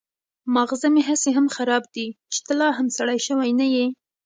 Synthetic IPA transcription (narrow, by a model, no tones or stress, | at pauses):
maɣzameɦaseɦamxaɾɑb̚d̪i | t͡ʃɪ̥t̪əlɑɦamsaɽajʃəwajnaje